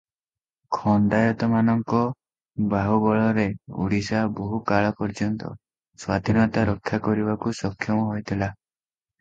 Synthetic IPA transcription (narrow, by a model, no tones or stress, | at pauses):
kʰɔnd̪ajɔt̪ɔmanɔŋkɔ | baɦuɡɔɭɔɾeṵɽisaboɦukaɭɔpɔɾd͡ʒɔnt̪ɔ̰ | swad̪ʱinɔt̪aɾɔkʰːakɔɾibakusɔkʰːjɔmɔɦojt̪ʰila